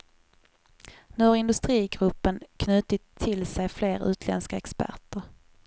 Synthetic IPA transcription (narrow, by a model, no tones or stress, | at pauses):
nɵɾɪnd̪ɵst̪ɾiːɡɾɵpːənkʰnʉ̟ːt̪ɪt̪ʰːɪlsɛjfleːɾʉ̟ːt̪ʰlɛ̰nskaɛkspæ̰ʈəɾ